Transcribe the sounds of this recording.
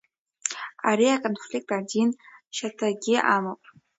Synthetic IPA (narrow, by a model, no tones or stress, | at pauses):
aɾiakʼonflʲik̚ʼtʼadinʃatʰaɡʲɪʔamopʼ